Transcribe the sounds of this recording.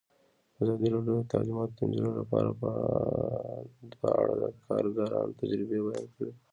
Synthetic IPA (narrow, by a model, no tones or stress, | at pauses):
azɑd̪iɾɑɖjod̪ət̪alimɑt̪d̪ənzɪlolapɑɾapə | d̪waa̰ɽad̪əkʰɑɾɡaɾɑnt̪ad͡ʒɾɪbebajɑnkəɽe